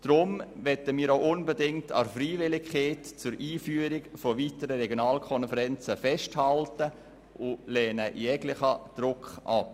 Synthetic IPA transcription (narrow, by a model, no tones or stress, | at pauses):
d̥ɾʊmʋɛtəmiːɾoʊʔʊnbədɪŋ̚tʰɑ̰friːʋɪlɪkχeːtt͡sʊɾiːfyːəɾɪkfovitəɾəɾɛɡjonɑːlkʰɔnfəɾɛnt͡səfɛʃthɑltə | ʔʊlɛːnəjɛɡlɪχəd̥ɾʊkχʔɑ̰p